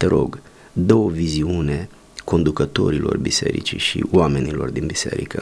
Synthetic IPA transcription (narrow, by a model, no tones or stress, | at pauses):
t̪e̞ɾo̞̰ɡ | d̪o̞wəviziune̞ | ko̞nd̪ukət̪o̞̰ɾilo̞rbise̞̰ɾḭt͡ʃiʃḭwame̞nilo̞̰rd̪inbise̞̰ɾikə